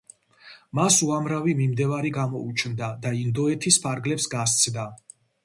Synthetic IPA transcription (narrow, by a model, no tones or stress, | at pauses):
masuamɾavimimd̪ɛvaɾiɡamɔut͡ʃʰnd̪ad̪aind̪ɔɛt̪ʰispʰaɾɡlɛpsɡast̪sʰd̪a